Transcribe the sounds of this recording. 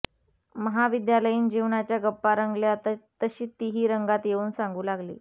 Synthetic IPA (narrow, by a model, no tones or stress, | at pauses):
məɦaʋid̪jaləjiːnd͡ʑiʋɳat͡ɕjaɡəpːaɾəŋɡljat̪at̪əɕiːt̪iɦiːɾəŋɡat̪jeuːnsaŋɡuːlaɡlḭː